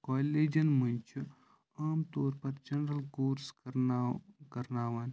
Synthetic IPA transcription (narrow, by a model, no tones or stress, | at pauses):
koːlːeːd͡ʒɐnmɐnʲt͡ʃʰu | ɐːmt̪oːɾpɐɾd͡ʒɐnɾɐlkoːɾskɾkɐɾnaːʋaːn